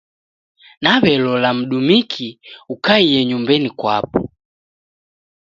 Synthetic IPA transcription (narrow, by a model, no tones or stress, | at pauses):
naβɛlɔlam̩ɗumikʰiukaiɛɲumbɛnikwapɔ